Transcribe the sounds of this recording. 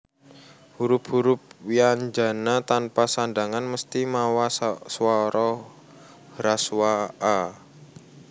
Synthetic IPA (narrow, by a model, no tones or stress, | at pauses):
huɾʊphuɾʊp̚wiaɲd͡ʒa̤nat̪anpasandaŋanməst̪imawasswaɾɔ | ɾaswaː